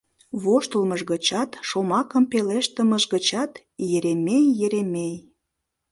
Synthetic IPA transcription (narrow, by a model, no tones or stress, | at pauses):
βoʃt̪əlməʒɣət͡ɕɑt̪ʃomɑkəmpeleʃt̪əməʒɣət͡ɕɑt̪ | jeɾemejːeɾemej